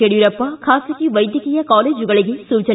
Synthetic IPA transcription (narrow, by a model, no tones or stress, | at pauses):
eɽjɯɾɐpːaːkʰaːsɐkːiʋɐɪd̪jɐkɪjɐkaːleːd͡ʒɯɣɐɭɐɣesuːt͡ʃɐ